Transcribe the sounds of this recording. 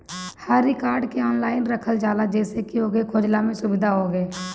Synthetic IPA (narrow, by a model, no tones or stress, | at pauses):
haːɾikaːɾɖkeɔːnlaːɪnɾəkʰəld͡ʒaːlad͡ʒɛːsekioːɡekʰoːd͡ʒlamẽsʊbɪd̪ʱaɦoːɡeː